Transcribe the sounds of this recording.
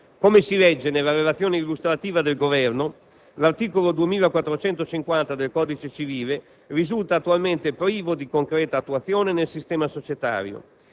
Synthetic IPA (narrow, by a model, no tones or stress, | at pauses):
komesilɛd͡ʒːenelːaɾelat̪sjoːneilːust̪ɾat̪iːvad̪elɡovɛrno | lart̪iːkolod̪uemiːlakwat̪ːɾot͡ʃɛnt̪ot͡ʃiŋkwant̪ad̪elkɔːd̪it͡ʃet͡ʃiviːle | rizult̪aːt̪ːualment̪epɾiːvod̪ikoŋkɾɛːt̪aːt̪ːuat̪sːjoːnenelsist̪ɛːmasot͡ʃet̪a̰ːɾjo̰